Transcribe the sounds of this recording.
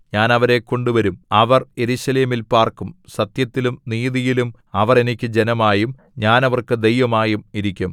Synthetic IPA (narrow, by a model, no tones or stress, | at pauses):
ɲaːnɐʋɐɾe̞kːo̞ɳɖuʋɐɾumɐʋɐrje̞ɾuɕɐle̞ːmilpaːrkumsɐt̪jɐt̪ːilumniːðijilum | ɐʋɐre̞nikʲːɨd͡ʑe̞nɐmaːjum | ɲaːnɐʋɐrkɨd̪e̞jʋɐmaːjumiɾikʲːum